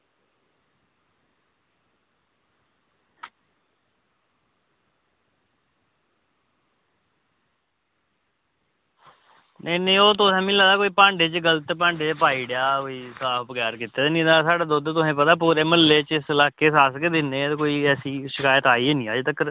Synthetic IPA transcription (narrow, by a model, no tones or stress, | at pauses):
nəinəĩːoːt̪̬ʊsẽːmɪlaːd̪aːkoːiːpãːɳɖeːt͡ʃɡələt̪pãːɳɖeːpaːiːɖejaːkoːiːsaːpʰɡjaːɾkiːt̪eːnĩːd̪aːsaːɖaːd̪oːd̪t̪ʊsẽːpət̪aːp̬uːɾeːməlːeːt͡ʃɪslaːkeːsaːskeːd̪ɪnːeːt̪ːkoːiːɛːsiːʃɪkaːjət̪aːiːeːnĩːaːd͡ʒet̪əkːəɾ